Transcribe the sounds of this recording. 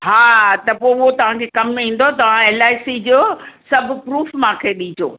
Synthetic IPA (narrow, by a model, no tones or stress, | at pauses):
haːt̪ɐpoːʊɦot̪ɐʋ̤ãkʰekɐmĩːn̆d̪ot̪ɐʋ̤ãeːlaːɪsid͡ʑoːsɐbʱʊ̆pɾuːfmãkʰeːɗiːd͡ʑo̰ː